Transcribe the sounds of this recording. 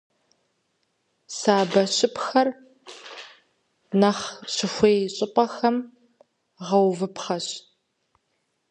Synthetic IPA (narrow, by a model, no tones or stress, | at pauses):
saːbɐɕɪpxɐr | nɐχɕɪxʷeːjɕʼɪpʼɐxɐm | ʁɐwvɨpχɐɕ